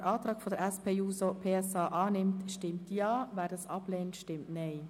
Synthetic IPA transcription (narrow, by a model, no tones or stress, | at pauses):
ɾʔɑːtʁɑːkfodəɾɛspʰeːuːsopʰeːɛsɑːʔɑːnɪmtʃtɪmtjɑːvæːɾdɑːsɑb̥leːntʃtɪmtnɛɪ